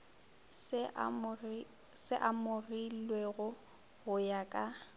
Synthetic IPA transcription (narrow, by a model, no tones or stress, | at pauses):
sɪʔamʊrilweɣʊ | ɣʊjakʼa